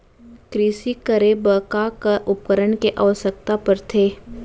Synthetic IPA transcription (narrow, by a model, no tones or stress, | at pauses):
kɾiːsikəɾebəkakaʔʊp̚kəɾəɳkeʔaːʋsək̚t̪apɐɾt̪ʰeː